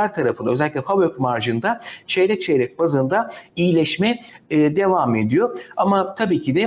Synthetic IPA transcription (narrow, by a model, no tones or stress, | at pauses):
æɾt̪ʰaɾafɯnd̪a̰øzɛlʲik̬̚ʲclʲɛfabøk̚maɾʒɯnd̪at͡ʃʰejɾɛc̚t͡ʃʰejɾɛc̚bazɯnd̪aijilʲɛʃmɛːd̪e̞vame̞d̪ijo̞amat̪ʰabiːcʰid̪ɛ